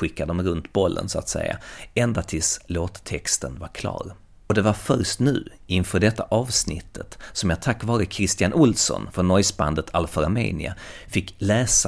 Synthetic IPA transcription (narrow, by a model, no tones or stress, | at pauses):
ɧɪkːad̪əɔmɾɵnt̪bɔlːʔə̰nsʊat̪sɛ̰jːa̰ɛnd̪at̪ʰɪsloːt̪t̪ʰːɛkst̪ənvaɾkʰlɑ̰ːɾ | ɔd̪ɛvaɾfœɾʂt̪nʉ̟ː | ɪnfœːɖɛt̪ːaʔɑːvsnɪ̰t̪ʰːət̪sɔmjaːt̪ʰakːvɑːɾəkʰɾɪst̪ɪjanʔʊlsɔ̰nfɾɔnːɔjsba̰nd̪ət̪ʰalfɔɾamḛːnɪ̰afɪkːlɛːs